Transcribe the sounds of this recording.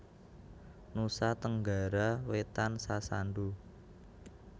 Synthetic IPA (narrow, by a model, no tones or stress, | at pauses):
nusat̪əŋɡa̤ɾawet̪ansasaɳɖu